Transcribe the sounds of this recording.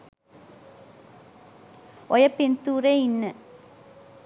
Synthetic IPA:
ɔjɐpːɪnt̪uːreːɪnːɨ

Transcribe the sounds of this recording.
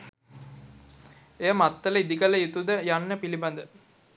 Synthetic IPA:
ejəmat̪ːələid̪iɡələjut̪ud̪əjanːəpiliband̪ə

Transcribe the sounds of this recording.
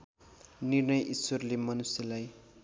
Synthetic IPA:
nirnʌjʔiswʌrlemʌnusjʌlaj

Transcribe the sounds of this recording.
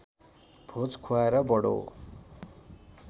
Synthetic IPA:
b̥ʱot͡skʰoaeɾʌbʌɽo̰

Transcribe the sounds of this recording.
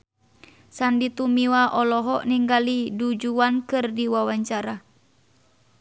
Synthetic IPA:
sandit̪umiwaʔɔlɔɦɔʔniŋɡalidud͡ʒuankɨrdiwawaɲt͡ʃaɾa

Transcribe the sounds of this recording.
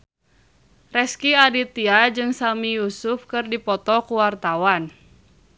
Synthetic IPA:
rɛskiadit̪iad͡ʒɨŋsamijusufkɨrdipɔt̪ɔkuwart̪awan

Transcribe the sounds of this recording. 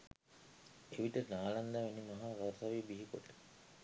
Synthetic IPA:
eʋiʈənaːland̪aʋenimaɦaʋəɾt̪aʋibiɦikoʈːə̥

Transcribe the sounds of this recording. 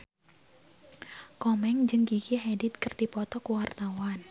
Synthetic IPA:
kɔmɛŋd͡ʒɨŋɡikiɦedit̪̚kɨrdipɔt̪ɔkuwart̪awan

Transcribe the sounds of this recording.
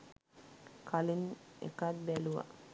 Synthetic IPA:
kʰalinḛkat̪̚bæluʋa̰

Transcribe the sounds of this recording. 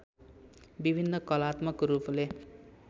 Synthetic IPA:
bibʱinːʌkʌlat̪mʌkruple

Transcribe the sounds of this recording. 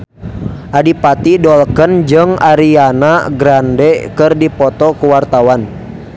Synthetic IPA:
ʔadipat̪idɔlkənd͡ʒɨŋaɾianaɡɾandɛkɨrdipɔt̪ɔkuwart̪awan

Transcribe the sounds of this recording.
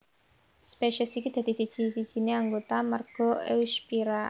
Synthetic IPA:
speʃəsikid̪̥ä̤d̪̥i̤sid̥ʒ̥i̤sid̥ʒ̥i̤neaŋɡot̪amərɡ̥ɔ̤ḛwspiɾa

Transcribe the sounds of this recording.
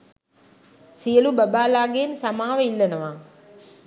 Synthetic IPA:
sijɐlubɐbaːlaːɡeːnsɐmaːʋɐilːɐnɐʋaː

